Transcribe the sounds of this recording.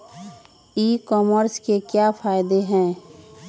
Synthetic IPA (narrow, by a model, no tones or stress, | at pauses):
iːkɔːməɾskekjafʰaːɪd̪eɦɛ̃ː